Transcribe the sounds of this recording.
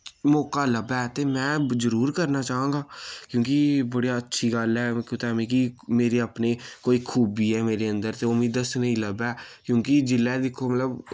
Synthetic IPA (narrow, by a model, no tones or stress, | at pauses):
mɔːkaːləbɛːt̪eːmɛ̃ːzəɾuːɾkəɾnaːt͡ʃaːɦãːŋɡaːkjõːkibəɽiaətːʃʰiːɡəlɦɛːkõːt̪amĩːkimeːɾeːəpneːkoːiːkʰuːbiːɦɛːmeːɾeːə̃nd̪əɾt̪eːʊmĩːd̪əsnəĩːləbɛːkjõːkid͡ʒɪlːɛːd̪ɪkʰːoːmət̪ləb